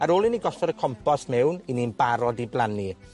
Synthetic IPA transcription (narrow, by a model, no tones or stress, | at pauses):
aɾoːlˠiniɡɔɬɔɾəkʰɔmpʰɔsmɛwniniːnbaɾɔdiblˠani